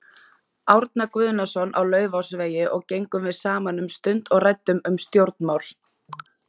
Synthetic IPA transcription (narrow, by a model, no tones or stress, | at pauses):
awɾt̪̚nakvʏːðnasɔnʔawlœːɥvawsveːjɪʔɔɣcejŋkʏmvɪðsaːmanʏmst̪ʏnt̪ɔɣrajt̪ːʏmʏmst̪jowɾt̪̚nmawl